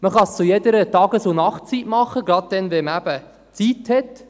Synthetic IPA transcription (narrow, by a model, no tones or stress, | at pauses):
məχɑst͡sujɛdəɾətɑɡəsonɑχt̚t͡sitmɑχəɡɾɑt̪̚d̪ɛnvɛməæb̥ə | t͡sithɛt